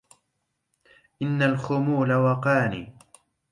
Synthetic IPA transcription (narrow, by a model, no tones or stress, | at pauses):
ʔɪnːalxʊmuːlawɑqɑːnḭː